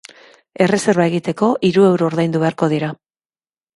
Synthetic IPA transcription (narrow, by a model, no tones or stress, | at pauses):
e̞re̞se̞ɾβae̞ɣit̪e̞ko̞ʔiɾue̞wɾo̞ːɾðajnd̪uβe̞aɾko̞ð̞iɾa